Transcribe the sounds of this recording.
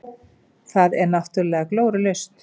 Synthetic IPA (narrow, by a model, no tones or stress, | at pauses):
θaðɛɾnaft̪ʏɾlɛːɣakloːwɾʏlejst̪